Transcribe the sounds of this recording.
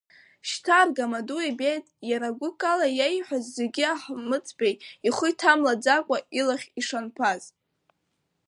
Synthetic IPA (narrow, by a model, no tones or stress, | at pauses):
ʃtʰarɡamaduibejtʼjaɾaɡʷʊkʼalajejħʷᶣazːeɡʲɪaħmɨt͡sʼbejiχʷʊjtʰamlad͡zakʷʼailaχʲiʂanpʰaz̥